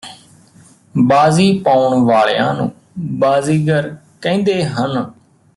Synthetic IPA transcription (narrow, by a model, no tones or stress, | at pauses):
baːziːpaːʊɳʋaːɭḛjã̰ːnṵ̃ː | baːziːɡəɾ | kɛ̃ːnd̪eːɦən